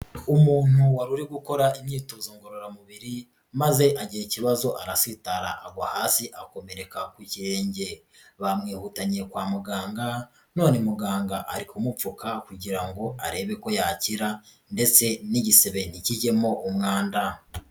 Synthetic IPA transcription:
umuːn̥huwaɾuɾeɡuko̞ɾaimɲiːtozoːŋɡoɾoɾamuβiɾi | maze̞ʔaɟijiciβazo̞ʔaɾasitaɾa̰ʔːɡahaːsiʔako̞me̞ɾe̞kakwiciɾe̞ːɲɟe̞ | βamŋiːhutaɲiɾekwaːmuɡaːŋɡa | no̞ːnemuɡaːŋɡaʔaɾikumufukakuɟiɾaŋɡo̞a̰ɾe̞βe̞ko̞jaciɾa | nde̞t͡se̞niɟiseβe̞niciɟe̞mo̞ʔumŋaːnda

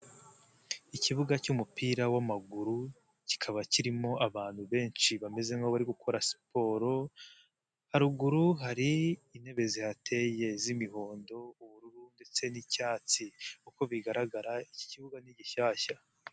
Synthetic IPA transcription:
iciβuɡacumupiːɾawamaɡuɾu | ci̥kʰaβaciɾimo̞ʔaβaːn̥huβe̞ːnt͡ʃiβame̞ze̞moβaɾiɡukʰo̞ɾasi̥po̞ːɾo̞ | haɾuɡuɾuɦaɾiːne̞βe̞zihatʰe̞je̞zimiɦo̞ːndo̞uβuɾuɾunde̞t͡se̞nicaːt͡sikuko̞βiɡaɾaɡaɾaici̥ciβuɡaniɟiʃaːʃa

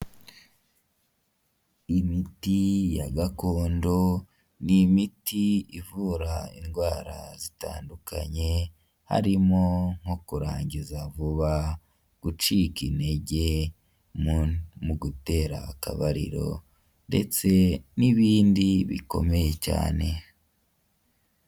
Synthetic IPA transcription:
imitijaɡakoːndo̞ | nimitiivuːɾaḭnɡwaːɾa̰zita̰ːndukʰa̰ɲe̞ | ha̰ɾimo̞ŋ̥hokuɾaːɲizavuβa | ɡ̥ut͡ʃiːkine̞ɟe̞ | muɡute̞ɾakaβaɾḭɾo̞̰ | nde̞̰t͡se̞niβiːndiβḭko̞̰me̞je̞ca̰ːne̞

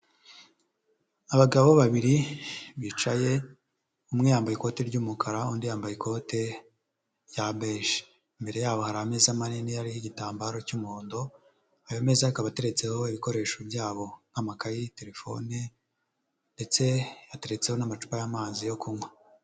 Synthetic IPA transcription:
aβaɡaββoβaβiɾiβit͡ʃaje̞ | umŋejaːmbajiko̞ːte̞ɾɟuːmukʰaɾaundijaːmbajikʰo̞te̞ | jabeːʃe̥ | imbe̞ɾe̞jaːβo̞haɾaame̞ːzamaninijaɾihiɟitaːmbaːɾo̞cumuoːndo̞ | ajome̞ːzaikaβate̞ɾe̞t͡se̞ho̞iβiko̞ɾe̞ːʃobjaːβo̞namakajite̞ɾe̞fo̞̰ne | nde̞t͡se̞jate̞ɾe̞t͡se̞ho̞namat͡ʃu̥pajamaːzijo̞kumŋwa

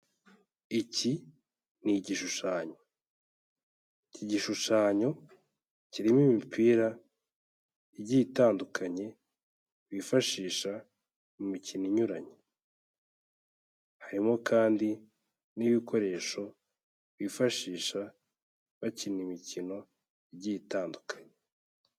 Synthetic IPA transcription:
ici | niɟiʃuʃaːɲo̞ | iciɟiʃuʃaːɲo̞ | ciɾimimipʰiːɾa | iɟitaːndukʰaɲe̞ | βifaʃiːʃa | mumiciniɲuɾaɲe | haɾimo̞kaːndi | niβikʰo̞ɾe̞ːʃo̞ | βifaʃiːʃa | βacinimicino̞ | iɟijitaːndukʰḁɲe̥

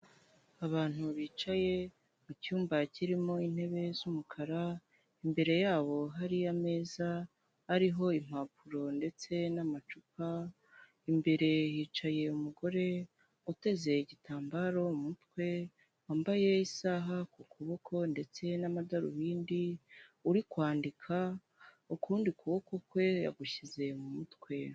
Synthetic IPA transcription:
aβaːn̥uβiːt͡ʃaje̞ | mucuːmbaciɾimo̞in̥he̞βe̞zumukʰaɾa | imbe̞ɾe̞jaːβo̞ɦaɾiame̞ːza | hːɾiɦo̞im̥hap̚ʰuɾo̞nde̞t͡se̞namat͡ʃuka | imbe̞ɾe̞jiːt͡ʃaje̞umuɡo̞ɾe̞ | ute̞ze̞iɟitaːmbaɾo̞umutkwe̞ | waːmbaje̞isaɦakukʰuβo̞kʰo̞nde̞t͡se̞namadaɾṵβiːndiuɾikwaːndikʰa | ukʰuːndikuβo̞kʰokwe̞ja̰ɡuʃize̞mumutkwe̞

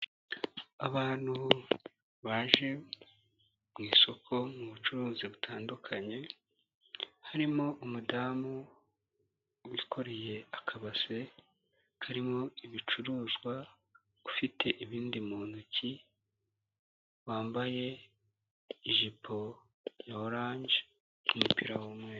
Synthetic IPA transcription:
aβaːn̥hu | βaːʒe̞ | mŋiːso̞kʰo̞muβut͡ʃuɾuːziβutʰaːndukʰaɲe̞ | haɾimo̞ʔumudaːmu | wikʰo̞ɾeje̞akʰaβase̞ | haɾimo̞iβit͡ʃuɾuːzɡwa | ufitʰe̞ʔiβiːndimuːnuci | waːmbaje̞ | iʒipʰo̞ | jaoɾaːɲɟe̥ | umupiɾawomweːɾ

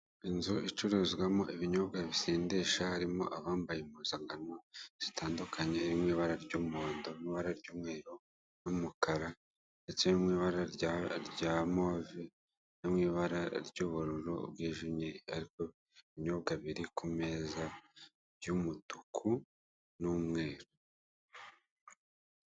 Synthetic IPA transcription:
inzuʔit͡ʃuɾuzɡwamo̞ʔiβiɲo̞ːbɡaβiseːndeʃahaɾimo̞̰ʔaβaːmbajemuzaŋɡanoz̥itʰaːndukʰaɲeβimŋiːβaɾaɾɟuːmoːndomŋiːβaɾaɾɟuːmŋe̞ːɾo | numukaɾa | nde̞t͡senimŋiːβaɾaɾɟaːmovi | nimŋiːβaɾaɾɟuːβuɾuɾo̰b̚ɡiːʒimɲiaɾiko | iɲoβɡaβiɾikumeza | jumutukʰu | numŋe̞ːɾo

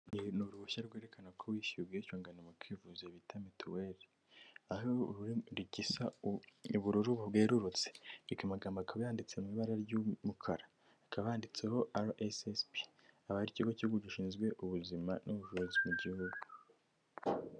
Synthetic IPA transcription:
inuβuɾuβuʃaɾɡweɾe̞kanakʰowiːʃiβɡeiʃoːŋɡanemukwiːvuzeβitʰametweɾi | ahouɾɾiɟisauβuɾuɾuβubɡe̞ːɾuɾut͡seikamaɡaːmbakaβajaːndit͡se̞mumiβaɾaɾjumukʰaɾa | akaβaaːndit͡se̞ho̞ʔaɾʔesespi | aβahaɾiciuɡocihuɡuɟiʃiːnzɡwe̞ʔuβuzimanʔuβuʒuɾozimuɟihuɡu

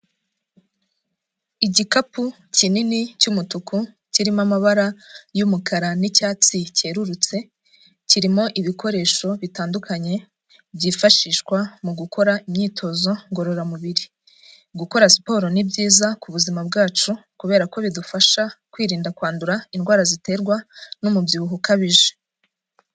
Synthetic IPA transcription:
iɟikapu | cininicumutukʰu | ciɾimamaβaɾajumukʰaɾanicaːt͡sice̞ːɾuɾut͡se̞ | ciɾimo̞ʔiβiko̞ɾe̞ːʃo̞βitaːndukʰaɲe̞ | bɟiːfaʃiːʃkwamuɡukʰo̞ɾaimɲiːtʰo̞zo̞ŋɡo̞ɾoɾamuβiɾi | ɡuko̞ɾaspo̞ːɾo̞nibɟiːzakuβuzimabɡaːt͡ʃukuβe̞ːɾako̞βidufaʃakwiːɾiːndakwaːnduɾainɡwaːɾazite̞ːɾɡwanomubjuuɦukaβiʒe̥

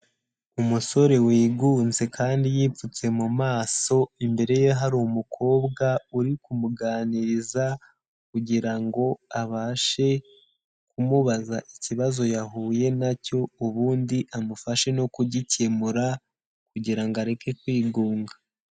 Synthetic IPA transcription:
umuso̞ɾe̞wiːɡuːnze̞kʰaːndijiːfut͡se̞mumaːso̞imbe̞ɾe̞jeɦaɾumukʰo̞ːbɡauɾikumuɡaːniɾiza | kuɟiɾaŋɡo̞aβaːʃe̞ | kumuβazaʔiciβazo̞jaɦuːje̞naco̞uβuːndiʔamufaʃe̞no̞kuɟicemuɾa | kuɟiɾaŋɡaɾe̞ke̞kwiːɡuːŋɡa

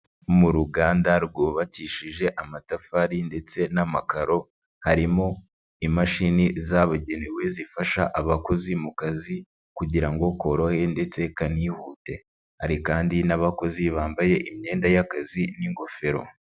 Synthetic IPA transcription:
omuɾuɡaːndaɾɡoβaciʃiʒe̞ʔamatafaɾinde̞t͡se̞namakaɾo̞ | haɾimo | imaʃinizaβaɟe̞newe̞zifaʃaʔaβako̞zimukazi | kuɟiɾaŋɡo̞ko̞ɾohe̞nde̞t͡se̞kaniːhuːte̞ | ha̰ɾikaːndinaβako̞ziβaːmbaje̞ʔimɲe̞ːndajakaziniŋɡo̞fe̞ɾo̞̰

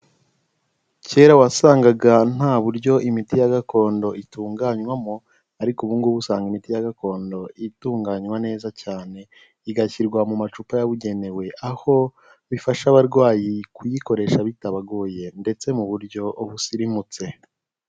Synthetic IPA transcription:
ce̞ːɾawasaːŋɡaɡan̥aːβuɾɟo̞ʔimitijaɡako̞ːndo̞ʔituːŋɡaːɲwamo | aɾikuβuːŋɡuβusaːŋɡimitijaɡako̞ːndo̞ituːŋɡaɲwane̞ːzacaːne̞ | iɡaçiɾɡwamumat͡ʃupajaβuɟe̞ne̞we̞ʔaho̞ | βifaʃaβaɾɡwaːjikʰujiko̞ɾe̞ʃaβitaβaɡoːje̞nde̞t͡se̞muβuɾɟo̞ʔoβusiɾimut͡se̞

